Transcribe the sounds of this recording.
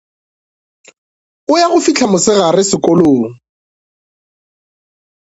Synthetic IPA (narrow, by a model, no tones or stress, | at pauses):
ʊjaɣʊfit͡ɬʰamʊsɪɣarɪsɪkʼɔloːŋ̩